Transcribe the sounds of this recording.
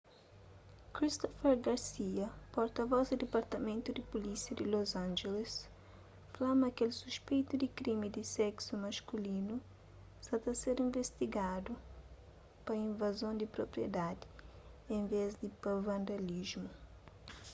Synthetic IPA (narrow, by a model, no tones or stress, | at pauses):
kɾist̪ɔfɛɾɡaɾsiɐpoɾt̪ɐvɔzd̪ɪd̪epaɾt̪ɐmẽnt̪ud̪ɪpulisiɐd̪ɪlozãnd͡ʒeles | flamɐkelsuspejt̪ud̪ɪkɾimid̪ɪsɛksumɐskulinu | sat̪ɐseɾĩɱvest̪iɡad̪u | pɐĩɱvazõnd̪ipɾopɾjed̪ad̪ɪ | ẽɱvezd̪ipavãnd̪alizmu